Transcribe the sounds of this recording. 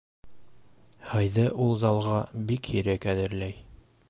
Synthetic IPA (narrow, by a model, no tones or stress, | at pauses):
hɤjðɤʔulˠzɑlˠʁɑbikhiɾækæðɘ̆ɾlæj